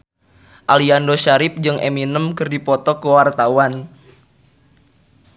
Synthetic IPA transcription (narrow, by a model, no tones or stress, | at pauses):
ʔaliandoʃaɾɪp̚d͡ʒɨŋʔḛminəmkɨrdipɔt̪ɔkəwart̪awan